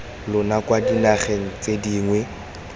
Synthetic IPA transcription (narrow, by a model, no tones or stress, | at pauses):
lʊnakwadinaχeŋ̩t͡sʼediːŋwɛ